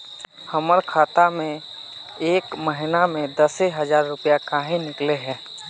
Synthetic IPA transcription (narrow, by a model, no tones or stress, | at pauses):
həməɾkʰaːt̪amẽ | eːkməɦɪnamẽd̪əseɦəzaːɾːʊpijakaːɦĩnɪkleɦɛː